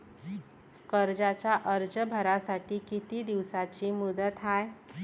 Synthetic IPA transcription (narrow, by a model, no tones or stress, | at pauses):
kəɾd͡zat͡ɕjaʔəɾd͡zəbʱəɾasaʈiːkit̪iːd̪iʋsat͡ɕiːmud̪ət̪ɦaj